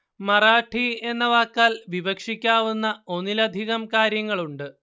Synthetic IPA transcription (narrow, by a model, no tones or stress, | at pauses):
mɐraːʈʰie̞nːɐʋaːkːaːlʋibɐkʂikʲːaːʋunːɐo̞nilɐd̪ʱiɣɐmkaːɾjɐŋːɐɭuɳɖɨ